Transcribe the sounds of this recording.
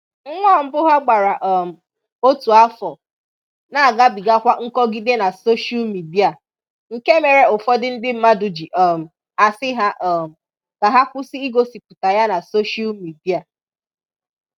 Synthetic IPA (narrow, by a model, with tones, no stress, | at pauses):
ŋ̩˦ŋʷɔ˦˨m̩˦bʊ˦ɦa˦ɡ͡ba˨ɾa˨ʔɔ˨m̩˨ | o˦tu˨a˦fɔ˨ | na˨a˨ɡa˦bi˨ɡa˦kʷa˦ŋ̩˦kɔ˦ɡi˦de˦na˨so˦ʃa˦lmi˨di˦a˨ | ŋ̩˨ke˦me˨ɾe˦ʊ˨fɔ˦dɪ˦n̩˦dɪ˦m̩˦ma˦dʊ˨d͡ʒi˨ʔɔ˨m̩˨ | a˨sɪ˦ɦa˦ʔɔ˨m̩˨ | ka˨ɦa˦kʷʊ˦si˦i˦ɡo˦si˨pʊ˨ta˨ja˦na˨so˦ʃa˦lmi˨di˦a˨